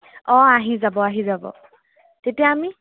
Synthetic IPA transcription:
ɔ̃aɦizabɔaɦizabɔ̰ | tetijaːmi

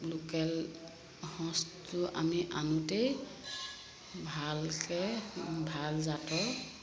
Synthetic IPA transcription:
lukɛl | hɔ̃stʊʔa̰miʔanutej | bʱalkɛbʱalzatɔ

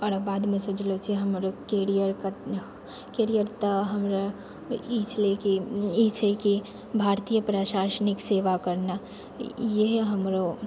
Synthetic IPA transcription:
ɔːɾabaːd̪mẽsod͡ʒlot͡ʃʰiɦəmɾokeːɾijəɾka | keɾijəɾt̪aɦəmɾa | it͡ʃʰlekiit͡ʃʰeki | bʱaːɾt̪ijəpɾaʃaːsənikseːʋakəɾna | jeɦɦəmɾo

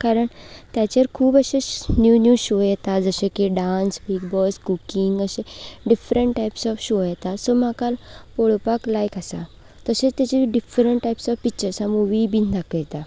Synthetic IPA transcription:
kaɾəɳt̪jat͡ɕeɾkʰuːbəɕenjunjuɕojɛt̪ad͡zəɕẽkiɖãnsbikbɔskukiŋɡəɕẽɖifɾəɳʈːajpsɔʋɕojɛt̪asɔmakalpɔɭopaklajkasa̰ | t̪əset͡st̪jat͡ɕiɖifɾəɳʈʈajpsɔfpik̚t͡ɕəɾsamuʋibind̪ʱakəjɛt̪a

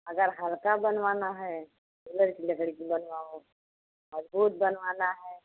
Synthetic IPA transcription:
əɡəɾɦəlkabənʋaːnaɦɛː | ʊləɾkiləɡɽikibənʋaːo | məzbuːt̪̚bənʋaːnaɦɛː

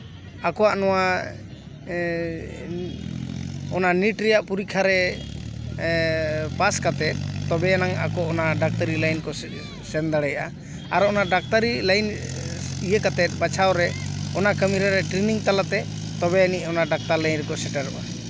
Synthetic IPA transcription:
akɔwaʔnɔwa | ɔnaniʈɾɛjaʔpuɾikʰaɾɛ | paskat̪ɛt̪̚t̪ɔbɛanaŋa̰kɔɔnaɖak̚t̪əɾilajnkɔ | sɛnd̪aɽɛjaʔa | aɾɔɔnaɖak̚t̪aɾilajn | ijəkat̪ɛt̪̚ˀbat͡ʃʰawɾɛɔnakəmiɾaɾɛʈɾiniŋt̪alat̪ɛ | t̪ɔbɛaniʔɔnaɖak̚t̪aɾlajnɾɛkɔsɛʈaɾɔ̰ʔa

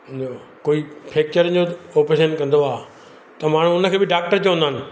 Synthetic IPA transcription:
nokoːipʰeːk̚t͡ɕəɾəd͡ʑooːpeʃənkɐ̃nd̪oaː | t̪ɐmaːɳ̤̃ũʊnə̆kʰeːbɪɖaːk̚ʈəɾt͡ɕoʋ̃ə̃nd̪aːnɪ̆

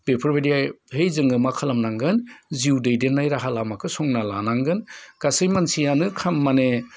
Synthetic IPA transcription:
b̥epʰɐɾbediaɦejzɯŋɯmakʰalamnaŋɡɯnziwdejdenːajɾaɦalamakʰɯsɔŋnala̰naŋɡɯnɡ̥asɯjmansijanɯkʰamːane

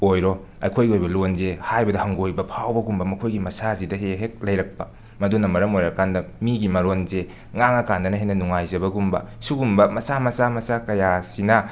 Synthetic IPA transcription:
ojɾo | ɐ̰jkʰojɡiojbɐlonzehajbɐdɐhɐŋɡojbɐpʰawbɐɡumbɐmɐkʰojɡimɐsazidɐɦeɦek̚lɐjɾɐk̚pɐ | mɐdunɐmɐɾɐmojɾɐkandɐmiɡimɐɾonze | ŋaŋɐkandɐnɐɦenɐnuŋajzɐbɐɡumbɐ̰suɡumbɐmɐsamɐsamɐsakɐjasinɐ

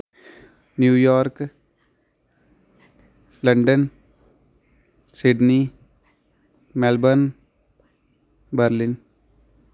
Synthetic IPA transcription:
njuːjɔːɾk | lə̃ɳɖən | sɪɖni | mɛlbən | bəɾlɪn

